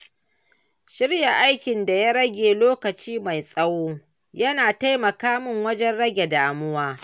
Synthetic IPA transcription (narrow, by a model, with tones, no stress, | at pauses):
ʃɪ˦ɽja˨ʔa˦jkʲɪ˨nda˨ja˦ɽɐ˦ɡʲeː˨loː˦kɐ˨t͡ʃiː˦ma˨jsʼɐ˦woː˦ | jɐ˦naː˨ta˦jmɐ˨kaː˦mɪ˦ŋwɐ˦d͡ʒɛ˦nɽɐ˦ɡʲe˨daː˨mʊ˦waː˦